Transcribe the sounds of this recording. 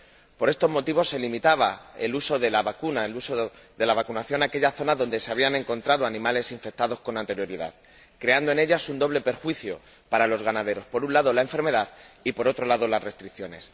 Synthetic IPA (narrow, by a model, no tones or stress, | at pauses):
poɾe̞st̪o̞zmo̞t̪iβo̞sːe̞limit̪aβae̞luso̞ðe̞laβakunaelusoðe̞laβ̞akunaθjo̞nake̞ʎaθo̞naðo̞nd̪e̞se̞aβ̞iane̞ŋko̞nt̪ɾaðo̞anĩmale̞siɱfe̞k̚t̪aðo̞sko̞nant̪e̞ɾjo̞ɾiða̰ð | kɾe̞and̪o̞e̞ne̞ʎasund̪o̞βle̞pe̞ɾxwiθjo̞̰ | paɾalo̞zɣanaðe̞ɾo̞spo̞ɾunlaðo̞laeɱfe̞ɾme̞ðaðipo̞ɾo̞t̪ɾo̞laðo̞lazre̞st̪ɾiθjo̞ne̞s